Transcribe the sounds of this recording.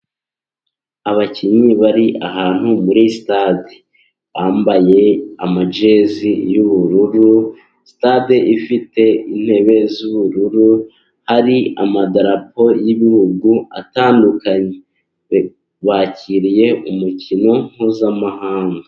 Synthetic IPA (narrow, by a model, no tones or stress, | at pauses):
aβaciɲiβaɾiʔaɦaːn̥humuɾisi̥tade | βaːmbaje̞amad͡ʒe̞zijuβuɾuɾu | si̥tadeʔifite̞in̥he̞ːβe̞zuβuɾuɾu | haɾia̰madaɾapo̞jiβihuɡua̰taːndukaɲe | βaciɾije̞ʔumucino̞ŋ̥huzamahaːŋɡa